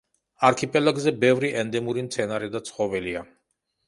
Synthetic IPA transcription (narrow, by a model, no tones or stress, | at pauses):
aɾkʰipʼɛlaɡzɛbɛvɾiʔɛnd̪ɛmuɾimt̪sʰɛnaɾɛd̪at̪sʰχɔvɛlia